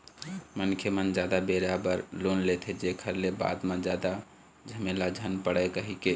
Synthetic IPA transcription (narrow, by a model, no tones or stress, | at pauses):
mənkʰemənd͡ʒad̪abeɾabəɾlonlet̪ʰɛd͡ʒekʰəɾleba̰d̪mãd͡ʒad̪a | d͡ʒʱəmelad͡ʒʱənpəɽəkəɦike